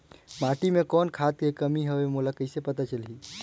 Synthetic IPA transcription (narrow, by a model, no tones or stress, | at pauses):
maʈimẽkɔːnkʰat̪kekəmiɦəʋemulakəɪsepət̪at͡ʃəlɦiː